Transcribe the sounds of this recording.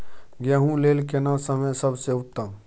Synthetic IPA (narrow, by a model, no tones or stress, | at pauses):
ɡjaɦũleːlkenãsəməjsəbʱseʊt̪ːã